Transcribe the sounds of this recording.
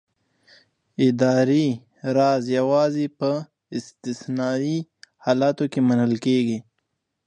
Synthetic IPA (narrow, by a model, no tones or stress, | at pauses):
ɪd̪aːɾi | ɾaːzjawaːzipə | ɪst̪ɪsnaːihaːlaːt̪okemɐnəlkeːɡi